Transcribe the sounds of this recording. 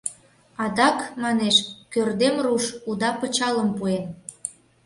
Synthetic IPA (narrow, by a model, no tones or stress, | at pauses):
ɑd̪ɑkmɑneʃkørd̪emruʃud̪ɑpə̆t͡ɕɑləmpuen